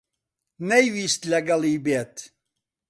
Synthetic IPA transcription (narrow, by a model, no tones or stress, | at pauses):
nɛjvist̪laɡaliːbet̪ʰ